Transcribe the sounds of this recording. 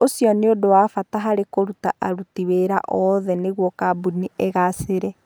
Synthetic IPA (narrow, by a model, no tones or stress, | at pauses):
osjɔneodowaːfataɦaɾekoɾutaʔaɾutiweɾa̰ʔɔðɛneɣwɔkabunieɣaseɾɛ